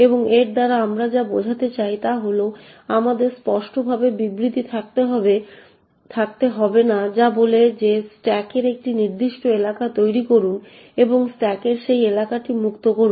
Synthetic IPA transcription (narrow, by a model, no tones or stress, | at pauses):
eboŋeɾd̪aɾaamɾad͡ʑabod͡ʑʱat̪et͡ɕajt̪aɦolo | amad̪eɾspɔʃʈobʱabebibɾit̪it̪ʰakt̪eɦɔbe | t̪ʰakt̪eɦɔbenad͡ʑaboled͡ʑesʈɛkeɾek̚ʈiniɾd̪iʃʈoelakat̪ojɾikoɾun | eboŋsʈɛkeɾʃejelakaʈimukt̪okoɾun